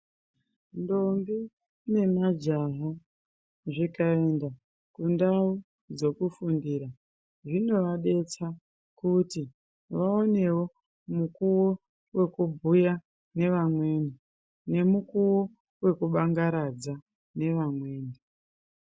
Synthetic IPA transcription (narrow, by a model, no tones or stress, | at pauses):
ndombi | ne̞mad͡ʒaɦo | ʐikae̞nda | kundau | d͡zo̞kufundiːɾa | ʐino̞ʋaɗe̞t͡sa | kuti | ʋao̞ne̞wo̞ | mukuwo | we̞kubʱuja | ne̞ʋamwe̞ne | ne̞mukuwo̞ | we̞kuɓaŋɡaɾad͡za | ne̞ʋamwe̞ːne